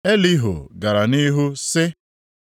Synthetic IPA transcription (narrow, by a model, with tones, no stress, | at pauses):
e˦li˦ɦo̰˨ɡa˨ɾa˨ni˦ɦu˦sɪ˦